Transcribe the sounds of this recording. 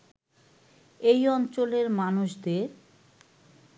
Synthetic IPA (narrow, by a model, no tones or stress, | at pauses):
ejɔnt͡ɕoleɾmanuʃd̪eɾ